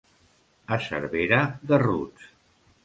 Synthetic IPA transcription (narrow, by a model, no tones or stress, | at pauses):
əsə̰ɾβeɾəðərut͡s